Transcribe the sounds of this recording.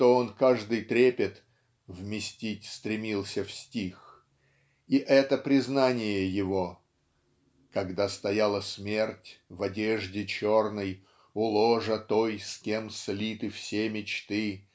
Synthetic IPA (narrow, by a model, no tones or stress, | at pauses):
t̪oonkaʐd̪ɨjt̪ɾʲepʲɪt̪ | vmʲɪsʲtʲitʲst̪ɾʲɪmʲilˠsʲəfsʲtʲix | iʔɛt̪əpɾʲɪznanʲɪjəjɪvo̞ | kɐɡd̪ast̪ɐjalˠəsʲmʲe̞rtʲvɐdʲeʐdʲɪt͡ɕo̞rnəj | ʊlˠoʐət̪o̞jskʲe̞mslʲit̪ɨfsʲemʲɪt͡ɕt̪ɨ